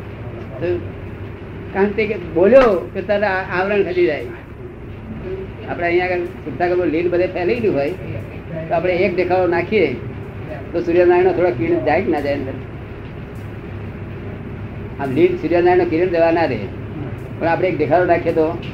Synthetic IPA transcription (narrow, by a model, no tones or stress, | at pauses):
t̪o | kãnt̪ekeboljoket̪aɾaaʋɾəɳkʰəd͡ʒ̪id͡ʒaj | apɽ̃eə̃ijaɡəɾsʊɡd̪ʱakəɾõlilbəd̪ʱepʰɛləilũɦoj | t̪oaːpɽ̃eek̚ɖekʰaɾonakʰie | t̪osuɾjanaɾinot̪ʰoɽokiɽd͡ʒaiknad͡ʒajnəɾ | amlilsuɾjanaɾinokiɾəd͡ʒəʋanaɾḛ | pəɳapɽ̃eːkɖekʰaɾonakʰijet̪o